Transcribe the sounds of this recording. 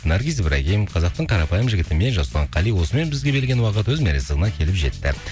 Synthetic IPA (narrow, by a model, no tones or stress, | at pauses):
nɑɾɡʲizbɾɑɡʲejmqʰɑzɑqt̪əɴqʰɑɾɑpɑjəmʒɪɡʲɪt̪ɪme̞nʒɑsəlˠʁɑɴqʰɑlijwo̞səme̞nbɪzɡʲe̞be̞lɡʲe̞nwɑqət̪wɵzmeɾesɪzəʁənɑkʲʰe̞lɪpʒe̞̰t̪ːɪ̰